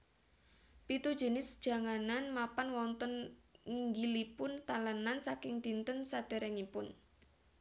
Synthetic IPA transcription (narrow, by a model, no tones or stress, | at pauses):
pit̪ud̥ʒ̥ə̤nɪsd̥ʒ̥a̤ŋananmapanwɔnt̪ɔnŋiŋɡilipʊnt̪alənansakɪŋd̪̥int̪ənsad̪̥e̤ɾɛŋipʊn